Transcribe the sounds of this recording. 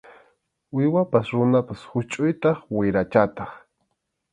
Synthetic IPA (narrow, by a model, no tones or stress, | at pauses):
ʊjwapasɾʊnapashʊt͡ʃʼʊjt̪ɑχwɪɾat͡ʃat̪ɑχ